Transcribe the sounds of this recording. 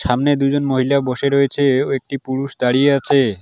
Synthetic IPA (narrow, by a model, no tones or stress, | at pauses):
ʃamned̪ud͡ʑonmoɦilaboʃeɾɔjet͡ɕʰeoek̚ʈipuɾuʃd̪aɽijeat͡ɕʰe